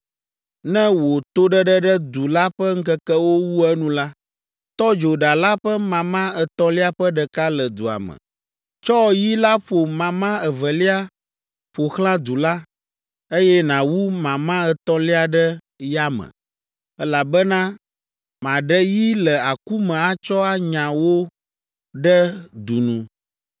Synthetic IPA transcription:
nɛ̃˦wo˨t̪o˦ɖə˦ɖɛ˦ɖɛ˦d̪u˨la˦ɸɛ˦ŋ̩˦kɛ˦kɛ˦wo˦wu˦ɛ˦nũ˦la˦ | t̪ɔ˦d͡ʒo˨ɖa˨la˦ɸə˦mã˨mã˦ɛ˨t̪ɔ̃˦li˦a˦ɸɛ˦ɖɛ˨ka˦lɛ˨d̪u˨a̰˨mə̰̃˨ | t͡ʃɔ˦˨ji˦la˦ɸo˨mã˨mã˦ɛ˨vɛ˨li˦a˦ | ɸo˨xlã˦d̪u˨la˦ | e˦jɛ˦nã˨wu˦mã˨mã˦ɛ˨t̪ɔ̃˦li˦a˨ɖɛ˦ | ja˦mɛ̰̃˨ | ɛ˦la˨bɛ˦nã˦ | mã˨ɖɛ˦ji˦lɛ˨a˨ku˦mɛ̃˨a˦t͡ʃɔ˦a˦ɲã˨wo˦ | ɖɛ˦d̪u˨nũ˨

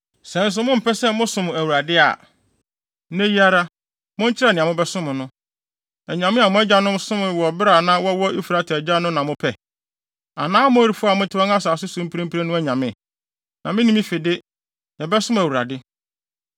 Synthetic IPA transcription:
sɛ̃˨n̩˦s̬ʊ˨˦mʊ̃˦m̩˨pʰɛ˦sɛ˦mʊ̃˦sʊ̃˨m˨æ˨wu˨ɾa˨dɪ˦a̰˨ | næ̃˦ji˦a˦ɾa˦ | mʊ̃˦ɲ̩˦t͡ɕʰɪ˦ɾɛ˦˨nɪ̃˨a˨mʊ̃˦bɛ˦sʊ̃˦mʊ̃˨nʊ̃˦ | ɛ˨ɲã˨mɪ̃˦a˨mʊ̃˦ɛ˦d͡ʑa˦nʊ̃˦msʊ̃˦m̃˨wɔ˨bɪ˦ɾa˨nã˦wɔ˦wɔ˦ʔi˦fu˨ɾa˦tʰɛ˨d͡ʑa˦nʊ̃˦nã˨mʊ̃˦pʰɛ˨ | a˨nãː˦mʊ̃˦ɾi˨fʊ˦a˨mʊ̃˦tʰɪ˦ã˦ŋ˦a˦saː˨sʊ˦sũ˦m̩˦pʰɾĩ˦pi˦ɾe˦nʊ̃˦æ˦ɲã˨mɪ̃˦˨ | nã˨mɪ̃˦nĩ˦mĩ˦fe˨dɪ˦ | jɛ˨bɛ˦sʊ̃˦m˨æ˨wu˨ɾa̰˨dɪ˦

